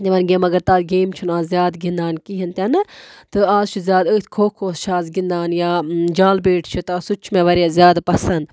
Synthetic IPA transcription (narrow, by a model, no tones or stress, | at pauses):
eʋɐnɡʲeːmɐɡɐɾt̪aːɡeːmt͡ʃʰunaːzzjaːd̪ɡĩnd̪aːnkiɦint̪ɐnɨt̪ɨaːzt͡ʃʰizʲjaːd̪ət̪ʲkʰoːkʰoːst͡ʃʰaːzɡind̪aːnjaːd͡ʒaːlbeːʈʰt͡ʃʰit̪ɨɐsut͡ʃʰmẽʋɐɾjaːzʲjaːd̪pɐsɐnd̪